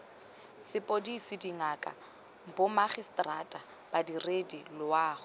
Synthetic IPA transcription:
sɪpʼodisɪdiŋakʼa̰ | bʊmaχistʼratʼa | b̥adiredilʊwaːχʊ

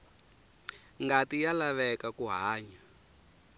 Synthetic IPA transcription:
ŋɡatijalaβɛkakuɦaːɲa

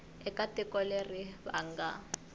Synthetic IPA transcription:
ɛkatɪkɔlerɪβaŋ̩ɡa

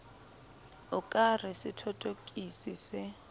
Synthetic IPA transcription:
ʊkʼarɪsɪtʰɔtʼokʼisisɛ

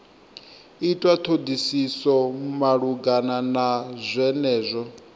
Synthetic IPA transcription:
itʼwat̪ʰod̪isisɔmaɺuɡananazʷɛnɛːzʷɔ

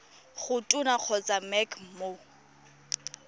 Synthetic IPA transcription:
χʊtʼʊnaq͡χʰɔt͡sʼamɛkʰmo

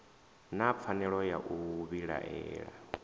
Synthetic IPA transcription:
nap̪fʰanɛɺɔjaʔuβiɺa̰ʔɛːɺa̰

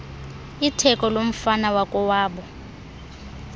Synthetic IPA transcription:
itʰɛkʼɔlom̩fanawakʼɔwaːɓɔ

